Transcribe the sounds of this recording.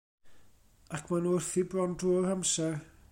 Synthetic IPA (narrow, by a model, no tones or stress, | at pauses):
akʰmanuːɪrθibrɔndruːɔhamsɛ